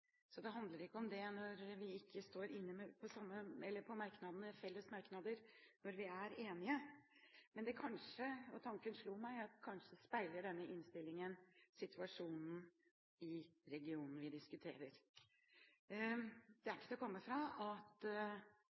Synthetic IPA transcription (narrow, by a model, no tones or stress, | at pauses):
sɔd̪ɛɦɑnd̪ləɾɪkːəɔmd̪ɛnɔɾʋɪɪkːəst̪oːɾɪnːəmɛpʰɔsɑmːəɛlːəɾpʰɔmɑɾknɑd̪n̩əfɛlːəsmɑɾknɑd̪əɾnɔɾʋɪæɾeːnɪə | mɛnd̪ɛkʰɑnʂəɔt̪ʰɑŋkənʂɭuːmæɪɑt̪kʰɑnʂəəspæɪləɖɛnːəʔɪnst̪ɪlːɪŋənsɪt̪ʰʉɑʂuːnn̩ | ɪɾɛɡɪuːnn̩ʋɪd̪ɪskʉt̪ʰeːɾəɾ | d̪̥ɛæɾkːət̪ɔkʰɔmːəfɾɑɑt̪